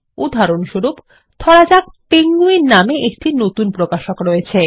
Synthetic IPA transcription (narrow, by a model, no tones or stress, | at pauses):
ud̪ʱaɾonʃoɾup | t̪ʰɔɽad͡ʑak̚peŋɡuiɾnameʔek̚ʈinot̪unpɾokaʃokɾoet͡ɕʰe